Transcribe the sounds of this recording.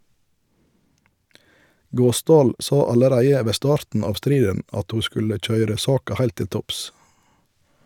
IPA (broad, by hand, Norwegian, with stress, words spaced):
ˈɡoːˌsdɑːl ˈsɑ ɑləˈɾæɪə ˈʋeː ˈstɑːɾtn̩ ˈɑːʋ ˈstɾiːdən ˈɑt ˈhuː ˈskʉlə ˈc͡çœʏɾə ˈsɑːkɑ ˈhæɪlt ˈtɪl ˈtɔps